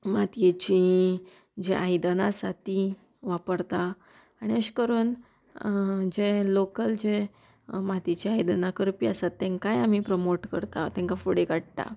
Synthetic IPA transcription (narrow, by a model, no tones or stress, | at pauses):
mat̪jet͡ɕĩ | d͡ʑeʔajd̪ənasat̪i | ʋapəɾt̪a | aɽ̃iəɕkəɾuːn | d͡ʑelokəld͡ʑe | mat̪et͡ɕiajd̪ənakəɾpiasat̪ːɛ̃ŋkajam̤ipɾəmoʈkəɾt̪a̰t̪ɛ̃ŋkafuɽekaɽt̪a̰